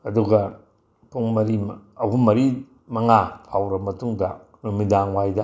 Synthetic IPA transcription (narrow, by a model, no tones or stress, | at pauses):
ɐduɡɐ | pʰuŋmɐɾimɐwɦumːɐɾi | mɐŋapʰawɾɐmɐtuŋdɐ | numidaŋwajdɐ